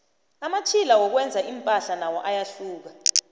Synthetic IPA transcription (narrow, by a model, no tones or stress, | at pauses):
amat͡ʃʰilawɔk̬wɛnd͡zʱaʔimpʼaɬanawɔʔajaɬuːk̬a